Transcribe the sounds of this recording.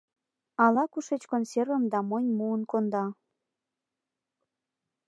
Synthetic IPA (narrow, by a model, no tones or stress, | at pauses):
ɑlɑkuʃet͡ɕkonservə̆md̪ɑmonʲmuənkond̪ɑ